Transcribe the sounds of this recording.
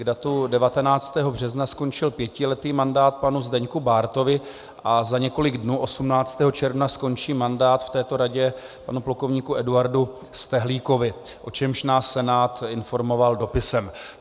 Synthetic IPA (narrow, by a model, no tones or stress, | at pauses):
ɡdat̪udɛvat̪ɛnaːt͡st̪ɛːɦobr̝ɛznasko̞nt͡ʃɪlpjɛcɪlɛt̪iːmandaːt̪̚panuzdɛɲkubaːɾt̪o̞vɪ | ʔazaɲɛko̞lɪɡdnuːʔo̞sumnaːt͡st̪ɛːɦo̞t͡ʃɛɾvnasko̞nt͡ʃiːmandaːt̪ft̪ɛːt̪o̞ɾaɟɛpanuplokovɲiːkuɛduaɾdu | st̪ɛɦliːko̞vɪʔo̞t͡ʃɛmʃnaːsːɛnaːt̪ɪnfo̞ɾmo̞valdo̞pɪsɛm